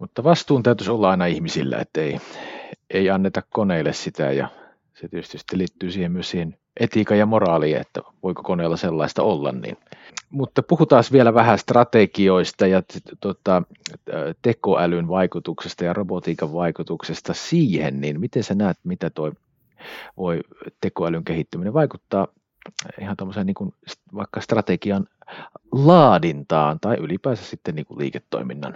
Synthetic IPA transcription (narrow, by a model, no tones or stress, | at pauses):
mut̪ːɑʋɑst̪uːnt̪æyt̪ysolːɑɑˑinɑihmisḭlːæ̰ḛt̪ːæei | ʔeiɑnːet̪ɑkkoneilːˑessit̪æ̰jɑ̰ | set̪iøst̪yst̪ːeliːt̪ːyːsiːhemmyøssiːhen | ʔet̪ikɑjɑmorɑːliːnḛt̪ːæ̰ʋoiko̥koneilːɑselːɑist̪ɑolːɑ̰nnḭnmut̪ːɑpuhut̪ɑːsʋielæʋæhæst̪rɑt̪ekioist̪ɑjɑt̪ot̪ɑ | t̪ekoʔælynʋɑikut̪uksest̪ɑjɑrobot̪iːkɑʋʋɑikut̪uksest̪ɑsiːhḛnninmit̪ensænæːt̪mit̪æt̪oi | ʋoit̪ekoælyŋkehit̪ːymineʋʋɑikut̪ːɑː | ihɑnt̪omːoseːniːŋkunsʋɑikːɑst̪rɑt̪ekiɑn | lɑːdint̪ɑːnt̪ɑiʔylipæːsæssit̪ːenniːŋkṵllḭːket̪ːo̰iminːɑ̰n